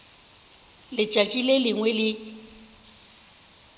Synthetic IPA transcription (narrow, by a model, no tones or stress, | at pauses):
lɪt͡ʃʼat͡ʃʼilelɪŋwɛlɪ